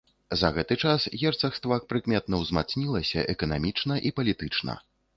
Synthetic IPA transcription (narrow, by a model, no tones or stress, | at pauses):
zɐɣɛt̪ɨt͡ʂasɣʲɛrt̪sɐxst̪vakpɾɨkmʲɛt̪nɐwzmat̪snʲilˠɐsʲɐʔɛkɐnamʲit͡ʂnɐʔipɐlʲit̪ɨt͡ʂnɐ̰